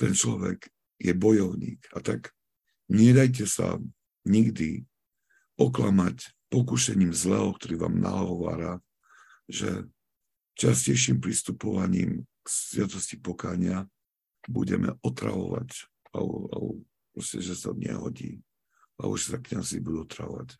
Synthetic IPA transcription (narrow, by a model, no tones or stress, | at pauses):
t̪ɛnt͡ʃlɔʋɛk | jɛbɔjɔʊɲiːkat̪ak | ɲɛd̪ajc̬ɛsa | ɲiɡd̪i | ɔklamac | pɔkuʃɛɲiːmzlɛɦɔkt̪ɔɾiːʋaːmnaɦɔɦɔʋaːɾa | ʒɛ | t͡ʃascɛjʃiːmpɾist̪upɔʋaɲiːmksʋɪat̪ɔsci̥pɔkaːɲɪa | buɟɛmɛɔt̪ɾaʋɔʋac | lɛlɛb | pɾɔscɛʒɛsaɲɛɦɔɟiː | lɛ̰bɔʒɛsakɲazibud̪uɔt̪ɾaʋɔʋac